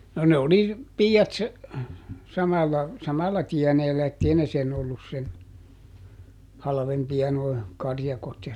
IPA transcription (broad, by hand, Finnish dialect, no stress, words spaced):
no ne oli piːɑt sɑmɑlːɑ sɑmɑlːɑ tiɛneːlːæ etːei ne sen olːus sen hɑlɑ̆ʋempiɑ noi kɑrjɑkot jɑ